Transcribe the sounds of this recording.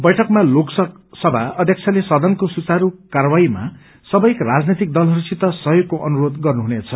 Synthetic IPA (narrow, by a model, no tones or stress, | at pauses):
bʌjʈʰʌkmaloksʌk | sʌbʱaʌd̪ʱjʌk̚t͡sʰalesʌd̪ʱʌnkosut͡saɾukaɾʌwaima̰ | sʌbʌjkrad͡znet̪ik̚d̪ʌlɦʌɾusit̪ʌsʌɦjoɡ̚kːoʔʌnuɾod̪ɡʌrnuɦunet͡sʰʌ